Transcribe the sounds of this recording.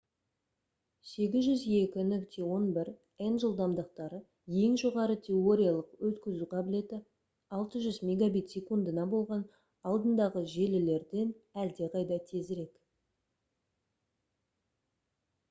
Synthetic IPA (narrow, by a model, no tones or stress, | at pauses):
se̞ɡʲɪzʒʏzje̞kʲɪnʏkt̪ʰe̞wo̞nbɪɾ | enʒəlˠd̪ɑmd̪əq̚t̪ɑɾə | je̞ŋʒo̞ʁɑɾət̪ʰe̞o̞ɾʲijalˠəqwɵt̪kʲɪzuqʰɑbɪle̞d̪ɪ | ɑlˠt̪əʒʏzmʲe̞ɡabijt̪sʲe̞kund̪ənɑbo̞lˠʁɑn | ɑlˠd̪ənd̪ɑʁəʒe̞lɪle̞ɾd̪e̞næld̪e̞qʰɑjd̪ɑt̪ʰe̞zɾe̞k